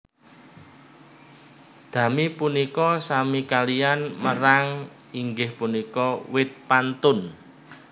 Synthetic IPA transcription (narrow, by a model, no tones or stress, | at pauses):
d̪̥ä̤mipunikɔsamikalianməɾaŋ | iŋɡɪhpunikɔwɪt̪̚pant̪ʊn